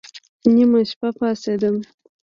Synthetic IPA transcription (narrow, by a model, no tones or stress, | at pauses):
nimaʃpapɑsed̪əm